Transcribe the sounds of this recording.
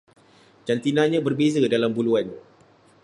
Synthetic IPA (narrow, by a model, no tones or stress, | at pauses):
d͡ʒant̪inãɲãbərbezadalambuluan